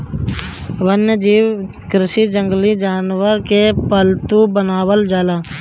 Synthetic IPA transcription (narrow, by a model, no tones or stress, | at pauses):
ʋənjəd͡ʒiːw | kɾɪʃid͡ʒə̃ŋɡlid͡ʒaːnʋəɾkepəlt̪ubənaːʋəld͡ʒaːlaː